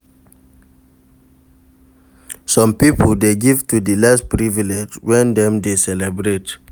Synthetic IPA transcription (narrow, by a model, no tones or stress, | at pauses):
sɔ̃mpipʰoldeɡivtudilaspɹiviled͡ʒwɛ̃ndɛ̃mdesɛlɛbɹet